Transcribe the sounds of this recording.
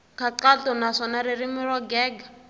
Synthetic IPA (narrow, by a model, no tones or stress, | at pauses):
kʰaǃatɔnaʂɔnaɾirimɪrwaɡɛːɡḁ